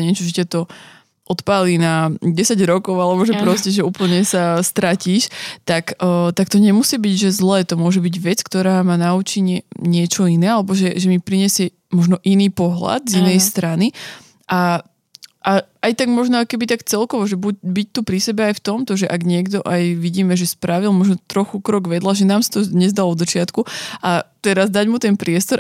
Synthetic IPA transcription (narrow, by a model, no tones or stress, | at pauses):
ɲɛt͡ʃɔʒɛcɛt̪ɔ | ʔɔt̪paːliːnaɟɛsaɟɾɔkɔʊalɛbɔʒɛpɾɔscɛʒɛuːpl̩ɲɛsast̪ɾaciːʃt̪akːt̪akt̪ɔɲɛmusiːbiɟʒɛzlɛːt̪ɔmʊɔʒɛbiɟʋɛt͡skt̪ɔɾaːmanaut͡ʃiɲɛɲɪɛt͡ʃɔinɛːalɛbɔʒɛʒɛmipɾiɲɛsɪɛ | mɔʒnɔʔiniːpɔɦla̰d̪zinɛjst̪ɾani | ʔa | ʔaajt̪aɡmɔʒnɔakɔkɛbit̪akt͡sɛlkɔʋɔʒɛbuc̚bic̚t̪upɾisɛbɛajft̪ɔmt̪ɔʒɛʔaɡɲɪɛɡd̪ɔʔajʋiɟiːmɛʒɛspɾaʋilˠmɔʒnɔt̪ɾɔxukɾɔɡʋɛd̪laʒɛnaːmsḁt̪ɔd̪ɲɛzd̪alɔd̪zat͡ʃɪat̪kuʔat̪ɛɾazd̪aɟmut̪ɛnpɾɪɛst̪ɔɾ